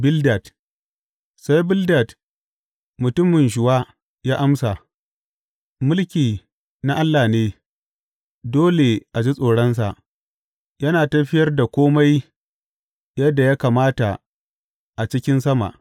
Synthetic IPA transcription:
bɪ˦lda˨t | sa˦jbɪ˦lda˨t | mʊ˨tʊ˦mɪ˨nʃ̬ʊ˨waː˦ | jaː˦ʔa˦msa˨ | mʊ˦lkʲiː˨ | na˦ʔa˦lːaː˨neː˦ | doː˦le˨ʔa˨d͡ʒi˦sʼoː˨ɽɐ˦ns̬a˨ʔ | jɐ˦naː˨tɐ˦ɸɪ˦jɐ˦rda˨kʷoː˦ma˦j | jɐ˦dːa˨ja˦kaː˨maː˦ta˨ | ʔa˨t͡ʃɪ˦kʲɪ˦nsɐ˦ma̰˨ʔ

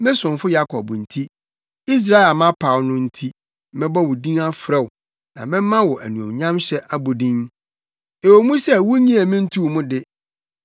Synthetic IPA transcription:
mɛ̃˦sʊ̃˨nfʊ˦ja˦kʰɔ˨bn̩˨tʰi˦ | i˦s̬ɾa˦˨a˨mã˦pʰa˨wnʊ̃˦n̩˦tʰi˦ | mɛ̃˦bɔ˦wʊ˨dĩ˦ŋa˦fɾɛ˦w | nã̰˨mɛ̃˦mːã˦wɔ˨ʔæ˨nũ˨ɔ̰̃˨ɲã˦mɕɛ˦ʔa˦bu˨dĩ˦n | e˨wo˨mũ˦sɛ˦wu˦ɲĩ˦æ˨mĩ˦n̩˦tʰu˦˨mʊ̃˦dɪ˦

